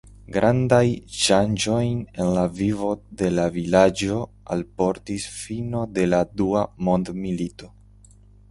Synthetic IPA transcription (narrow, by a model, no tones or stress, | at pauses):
ɡɾʔandajʃand͡ʒo̞jne̞nlavivo̞de̞lavilad͡ʒo̞ | a̰lpo̞ɾtisfino̞de̞laduamo̞ndmilito̞